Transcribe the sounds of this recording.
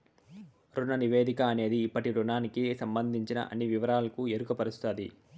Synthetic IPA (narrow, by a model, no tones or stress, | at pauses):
ɾunɐniʋe̞ːd̪ikɐːne̞ːd̪iːpːɐʈiɾunaːnikisɐmbɐnd̪ʱiɲt͡ʃinɐ̰ʔɐ̰nːiʋiʋɐɾaːlɐkueɾukɐpɐɾist̪ʰad̪ḭ